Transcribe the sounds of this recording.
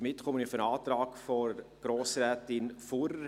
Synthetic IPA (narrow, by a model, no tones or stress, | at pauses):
mɪtχɔmənɪfənaːt̪ɾaːkfɔɡ̥ɾoːsrɛːtɪnfuɾ